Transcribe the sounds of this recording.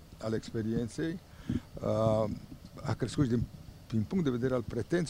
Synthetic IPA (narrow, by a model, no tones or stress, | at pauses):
alekspeɾjense | a | a̰keeskusd̪epimpuŋd̪eβed̪eɾalpɾet̪ens